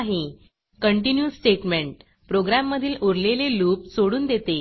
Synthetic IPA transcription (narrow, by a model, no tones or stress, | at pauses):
ɦe | kəɳʈinjusʈeʈmeɳʈ | pɾoɡɾamːəd̪ʱiːloɾleleluːp̚soɽuːnd̪et̪e